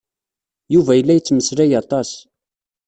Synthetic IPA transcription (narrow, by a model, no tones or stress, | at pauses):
juvæjəlːæjət͡sːməslæjɑt̪ˤɑs